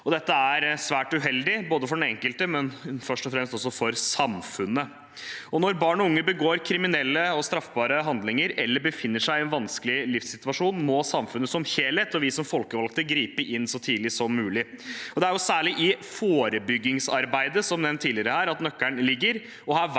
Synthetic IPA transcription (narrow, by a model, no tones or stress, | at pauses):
ɔd̪ɛt̪ːəæɾsʋæːʈʉɦɛld̪ɪboːd̪əfɔɖɛnɛŋkəlt̪əmɛnfœʂʈɔfɾɛmst̪ɔs̬ːɔfɔɾsɑmfʉnːə | ɔnɔɾbɑːɳɔʊŋːəbəɡoːɾkʰɾɪmɪnɛlːəɔst̪ɾɑfbɑːɾəɦɑnd̪lɪŋəɾʔɛlːəbəfɪnːəʂæɪɪɛnʋɑnskəlɪlɪfsɪt̪ʉʋɑʂuːnmɔsɑmfʉnːəsɔmçeːlət̪ɔʋɪsɔmfɔlkəʋɑlkt̪əɡɾiːpəʔɪnːsɔt̪ʰiːlɪsɔmːʉːlɪ | ɔd̪ɛæɾjʊsæːɭɪʔɪfoːɾəbʏɡːɪŋsɑɾbæɪd̪əsɔmnɛʋnt̪ʰːiːlɪəɾəhæːɾɑt̪nœkːæɳlɪɡːəɾ | ɔhæː